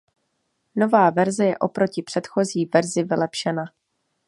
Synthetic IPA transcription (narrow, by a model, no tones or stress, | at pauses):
no̞vaːvɛɾzɛjɛʔo̞pɾo̞cɪpr̝̥ɛt̪xo̞ziːvɛɾzɪvɪlɛpʃɛna